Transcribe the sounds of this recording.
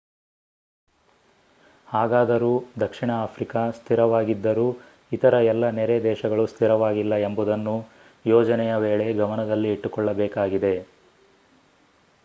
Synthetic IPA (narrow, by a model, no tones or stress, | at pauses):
haːɡaːd̪ɐɾuːd̪ɐkʂiɳɐaːpʰɾikɐst̪ʰiɾɐʋaːɡid̪ːɐɾuː | it̪ɐɾɐɛlːɐnɛɾed̪ɛːʃɐɡɐɭust̪ʰiɾɐʋaːɡilːɐe̞mbud̪ɐnːu | jɔːd͡ʒɐnɛjɐʋeːɭe̞ɡɐmɐnɐd̪ɐlːiːʈːukɔɭːɐbɛːkaːɡid̪e̞